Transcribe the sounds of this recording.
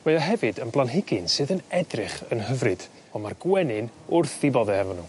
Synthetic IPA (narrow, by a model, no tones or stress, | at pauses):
mejɔɦɛvɨdənblˠanɦɪɡɪnsɨːðənɛdrɪχənhəvrɨd̥ | ɔmarɡwɛnɪnʊrθðibɔðɛhɛvɔnːuː